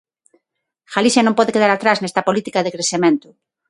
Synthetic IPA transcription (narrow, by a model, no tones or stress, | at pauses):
xalisjanõmpɔðekeðaɾat̪ɾaznest̪ɐpolit̪ikaðekɾesemẽnt̪ʊ